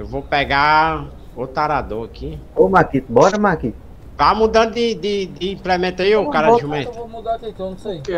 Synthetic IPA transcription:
ewvopɛɡa | ot̪aɾad̪oɐkiomakit̪bɔɾɐmakit̪ | vamud̪ɐ̃d̪ʊd̪ɪd̪ɪd̪ɪĩplemẽt̪ɐjokaɾaʒumẽt̪

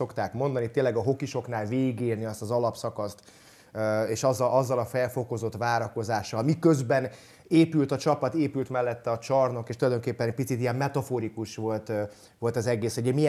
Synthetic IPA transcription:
o̞kt̪aːkmo̞nd̪ɒnit̪eːnlɛɡɒɦo̞kiʃo̞knaːlveːiɡeːrniɒst̪ɒzɒlɒpsɒkɒst̪ː | eːʃɒzːɒʔɒzːɒlɒfɛlfo̞ko̞zo̞t̪vaːɾɒko̞zaːʃːɒlmikøzbɛn | eːpylt̪ɒt͡ʃɒpɒt̪eːpylt̪mɛlːɛt̪ːɛɒt͡ʃɒrno̞keːʃt̪ulɒjd̪o̞ŋkeːpːɛnɛc̚pit̪sit̪ijɛmmɛt̪ɒfoɾikuʃʋo̞lt̪ | ʋo̞lt̪ɒzɛɡeːsoɟɛmijɛ

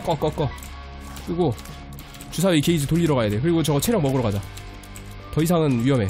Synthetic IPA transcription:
k͈ʌk͈ʌk͈ʌ | kɯɾiɡo | t͡ɕusʰaikeid͡ʑɯtoʎːiɾʌɣajade̞kɯɾiɡot͡ɕʌɡʌt͡ɕʰe̞ɾjʌŋmʌɡɯɾʌɣad͡ʑa | tʌisʰaŋɯnɥiɦʌme̞

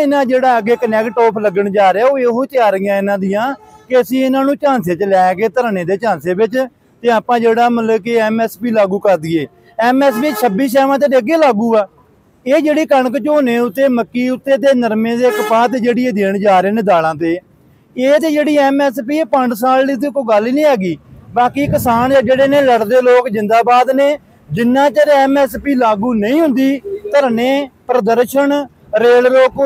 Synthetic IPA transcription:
ɪnãːd͡ʒeːɽaːəɡeːkənɛːkʈɔːpʰləɡəɳd͡ʒaːɾeaːoːeːɦoːt̪ɪjaːɾɪjãːɪnãːd̪ɪjãːkɪəsĩːɪnãːnũːt͡ʃãːnseːt͡ʃlɛːɡeːt̪əɾənẽːd̪eːt͡ʃãːnseːbɪt͡ʃ | t̪eːaːpãːd͡ʒeːɽaːmələbkeɛːmɛːspiːlaːɡuːkəɾd̪ieː | ɛːmɛːspisʰəbiːs̬ɛːʋãːt̪̬eːd̪eːəɡeːlaːɡuːaː | eːd͡ʒeːɽiːkəɳəkt͡ʃoːnẽːʊt̪ːeːməkːiːʊt̪ːeːt̪̬eːnəɾmẽːd̪eːkpaːt̪eːd͡ʒeːɽiːeːd̪eːɳd͡ʒaːɾeːneːd̪aːlãːt̪eː | eːt̪eːd͡ʒeːɽiːɛːmɛːspiːeːpəɳɖsaːlːiːt̪ekoːɡəliːnĩːɛːɡiːbaːkiːkɪsaːnːd͡ʒeːɽeːneːləɽd̪eːloːkd͡ʒɪ̃nd̪aːbaːd̪neː | d͡ʒɪnːãːt͡ʃaɾeɛːmɛːspiːlaːɡuːnəĩːɦʊ̃nd̪iːt̪əɾneːpɾəd̪əɾʃəɳ | ɾeːlɾoːk

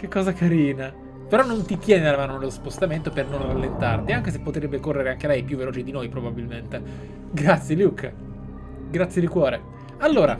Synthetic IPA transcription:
kekːɔːzakaɾiːna | peɾɔnːont̪it̪jɛːnealamaːnonelospost̪ament̪opernonralːent̪a̰rt̪iaŋk̟es̬epːot̪ɾebːekorːeɾeaŋkelɛjpjuvːeloːt͡ʃid̪inojpɾobabilment̪e | ɡɾat̪sjeljukː | ɡɾat̪sːjed̪ikwɔːɾe | alːoːɾa̰

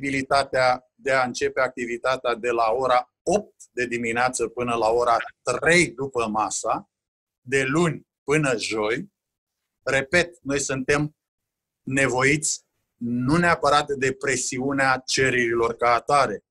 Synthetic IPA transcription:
bilit̪at̪ea | d̪e̞aɨnt͡ʃe̞pe̞ak̚t̪ivit̪at̪ead̪e̞lao̞ɾa | o̞p̚t̪̚d̪e̞d̪imineat̪səpɨnəlao̞ɾat̪re̞jd̪upəmasa | d̪e̞lunʲ | pɨnəʒo̞j | re̞pe̞t̪̚no̞jsunt̪e̞m | ne̞vo̞it̪sʲ | nuneapəɾat̪d̪e̞pɾe̞siuneat͡ʃe̞ɾeɾilo̞rkaːt̪aɾe̞

